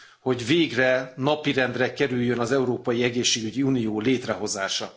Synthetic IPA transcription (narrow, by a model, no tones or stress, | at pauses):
ho̞ɟveːɡrɛnɒpiɾɛnd̪rɛkɛɾyjːønɒzɛuɾoːpɒjiɛɡeːʃːeːɡyɟiunijoːleːt̪rɛɦo̞zaːʃɒ